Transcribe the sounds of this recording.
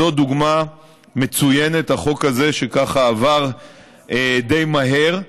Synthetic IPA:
o̞d̪uɡma | me̞t͡suje̞nethaχo̞kaze̞ʃekaχaːvaʁ | ed̪e̞jmaɦe̞ʁ

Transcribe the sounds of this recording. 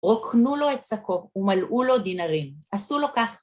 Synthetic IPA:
ʁokʰnulo̞e̞t̪̚sako̞umalʔulo̞d̪inaʁimʔasulo̞kaχ

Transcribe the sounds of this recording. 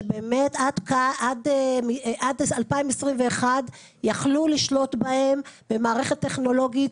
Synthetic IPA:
beːmetad̪kaʔadmiʔad̪alpaimesʁimve̞ːχad | jaχluliʃlo̞t̪bahe̞mbe̞maːʁe̞χet̪ːe̞χno̞lo̞ɡit

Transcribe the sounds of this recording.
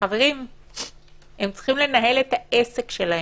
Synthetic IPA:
aveʁim | he̞mt͡si̥χimle̞naɦe̞let̪aʔese̞kʃelahe

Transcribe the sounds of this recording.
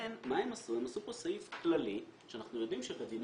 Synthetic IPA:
enmaemasiemasuposaifklaliʃeanaχnujo̞d̪imʃebadin

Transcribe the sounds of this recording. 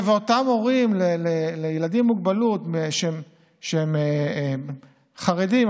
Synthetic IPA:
veotamoʁimlelelejelad̪imːuɡ̚balutmeʃem | ʃeeme | χaʁedim

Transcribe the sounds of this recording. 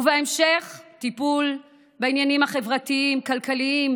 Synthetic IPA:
vaemʃeχt̪ipul | beinjanimhaχe̞vʁat̪iimkalkaliim

